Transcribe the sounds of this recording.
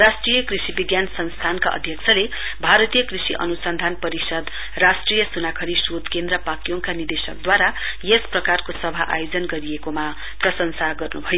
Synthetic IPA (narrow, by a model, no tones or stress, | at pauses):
rasʈrijʌkrisibiɡjansʌnst̪ʰanka̰ʔʌ̰d̪ʱjʌkt͡sʰʌle | bʱaɾʌt̪ijʌkrisḭʔʌ̰nusʌnd̪ʱanpʌɾisʌd̪ | rasʈrijʌsunakʰʌɾisud̪kend̪rʌpakjoŋkanird̪esʌk̚d̪waɾa | jesprʌkarkosʌbʱaʔa̰jod͡zʌnɡʌɾijekoma | prʌsʌnsaɡʌrnubʱʌjo